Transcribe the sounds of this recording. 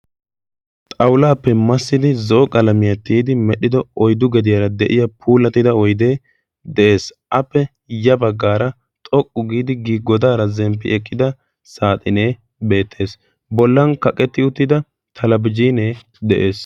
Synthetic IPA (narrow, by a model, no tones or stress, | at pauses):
t̪ʼɐwlaːpːɛmɐsːɪd̪ɪzɔːkʼɐlɐmɪjɐt̪ːiːd̪ɪmɛɗɪd̪ɔɔjd̪ʊɡɛd̪ɪjɐɾɐd̪ɛʔɪjɐpʰuːlɐt̪ːɪd̪ɐɔjd̪eː | d̪ɛʔe̞ːsʔɐpːɛ | jɐbɐɡːaːɾɐ | t̪ʼɔkʼːʊɡiːd̪ɪɡiːɡɔd̪aːɾɐzɛmpːɪɛkʼːɪd̪ɐ | saːt̪ʼɪneː | be̞ːt̪ʰːe̞ːs | bɔlːɐnkɐkʼɛt̪ːɪʊt̪ːɪd̪ɐ | t̪ʰɐlɐbɪd͡ʒiːneː | d̪ɛʔe̞ːs